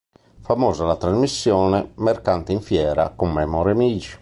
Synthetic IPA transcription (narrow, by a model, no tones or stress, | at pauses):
famɔːzalat̪ɾazmisːjɔːnɛmɛɾkant̪ɛiɱfjɛːɾa̰kɔmːɛmɔɾɛmiːd͡ʒi̥